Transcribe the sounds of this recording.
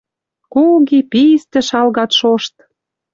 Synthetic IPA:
kuɣipist̪ə̆ʃɑlɣɑt̪ʃoʃt̪

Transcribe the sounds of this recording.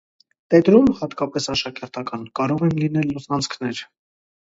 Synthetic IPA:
t̪ɛt̪ɾumhɑt̪kɑpɛsɑʃɑkɛɾt̪ɑkɑnkɑɾɔʁɛnlinɛlːɔsɑnt͡sʰkʰnɛɾ

